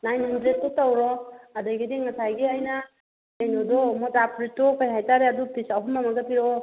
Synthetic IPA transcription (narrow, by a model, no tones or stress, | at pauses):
najnhɔndɾed̚tɔtawɾɔadɔjɡideŋasajɡeajna | ejnɔdɔmɔtapɾitːɔkajɦajtaɾeadupisaɦumamaɡapiɾɔ